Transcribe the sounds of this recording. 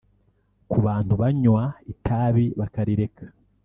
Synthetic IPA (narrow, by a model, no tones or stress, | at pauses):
kuβaːn̥thuβaɲwaitʰaːβiβakaɾiɾe̞kʰḁ